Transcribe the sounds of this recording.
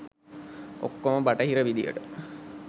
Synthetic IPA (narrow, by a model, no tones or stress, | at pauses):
o̰kːoməbaʈəɦiɾəʋid̪ijə̰ʈə